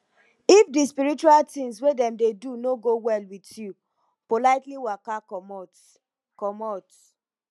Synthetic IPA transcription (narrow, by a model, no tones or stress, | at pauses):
ifdispiɹit͡ʃualtĩŋs̬wedɛmdedunoɡowɛlwitju | polaɪtliwakakɔmɔt | kɔmɔt